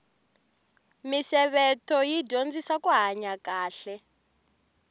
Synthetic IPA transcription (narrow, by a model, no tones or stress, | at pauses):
misɛβɛtʰɔjiɟʱond͡zisakuɦaɲakaːɬɛ